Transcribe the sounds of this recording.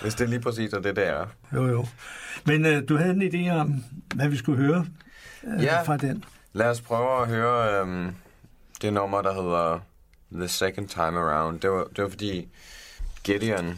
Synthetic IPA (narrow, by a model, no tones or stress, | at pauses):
ʋesd̥eliːpʰʁɛs̬ḭːsɒd̥ed̥eæɐ | jo̰jo̰mend̥uɦæð̞̩ˠenid̥e̝̰ːɒ̽mʋæʋisɡ̥uɦøːɐ | jæfʁɑ̈d̥en | læɒs̬pʰʁœːʊæɦøːɐøm | d̥enɒmɐɾ̥ɑ̈ɦe̝ð̞̰ˠɐ | ðəsekʰənd̥̚t͡sʰäɪməʁäʊ̃nd̥e̝ʋɑd̥eʋɐfɒd̥ḭː | ɡ̥eɾiɒn